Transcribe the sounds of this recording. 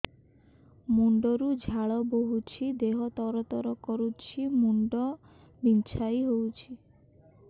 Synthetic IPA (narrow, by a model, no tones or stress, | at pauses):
muɳɖɔɾud͡ʒʱaɭɔboɦut͡ʃʰid̪eɦɔt̪ɔɾɔt̪ɔɾɔkɔɾut͡ʃʰimuɳɖɔ | bint͡ʃʰajɦowt͡ʃʰi